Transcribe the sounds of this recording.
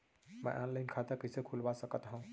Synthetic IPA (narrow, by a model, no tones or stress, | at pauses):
mã̰ʔɔnlajnkʰat̪əkəsekʰulʋasəkət̪ɦãw